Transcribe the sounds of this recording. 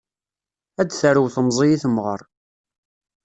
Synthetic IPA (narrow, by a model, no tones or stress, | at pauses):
æd̪θəɾəwθəmzˤijiθəmʁə̰ɾˤ